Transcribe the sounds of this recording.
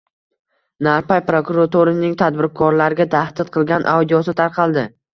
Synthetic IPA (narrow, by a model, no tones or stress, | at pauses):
naɾpajpɾokʊɾat̪ʰoɾɪnɪŋt̪ʰad̪bɪɾkʰɒɾlaɾɪɡʲat̪ʰahd̪ɪt̪̚qʰɨlˠɡʲanʔa̰wd̪ijɒsɪt̪ʰaɾqʰɑlˠd̪ɪ